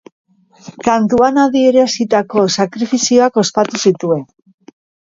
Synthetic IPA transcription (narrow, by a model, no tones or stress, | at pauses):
kant̪uanaðie̞ɾeasit̪ako̞sakɾifisio̞ako̞spat̪usit̪ue̞n